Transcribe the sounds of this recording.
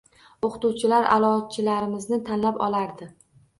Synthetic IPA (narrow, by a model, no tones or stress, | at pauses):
oqʰt̪uwt͡ʃʰɪlaɾʔa̰lˠɒt͡ʃʰɪlaɾɪmɪznɪt̪ʰanlapɒlˠaɾd̪ɪ